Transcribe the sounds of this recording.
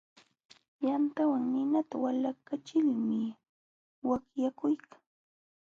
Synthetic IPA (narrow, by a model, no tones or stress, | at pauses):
jant̪awaŋnɪnat̪awalakat͡ʃɪlmɪ | wakjakʊjkḁŋ